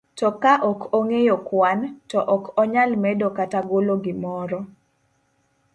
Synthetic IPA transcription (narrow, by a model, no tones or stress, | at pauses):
tɔkaʔɔkoŋejɔkwantɔʔɔkɔɲalmɛdokataɡoloɡɪmɔɾɔ